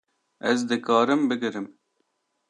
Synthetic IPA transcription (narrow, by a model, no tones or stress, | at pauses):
ɛzd̪ɨkɑːɾɨmbɨɡɨɾɨm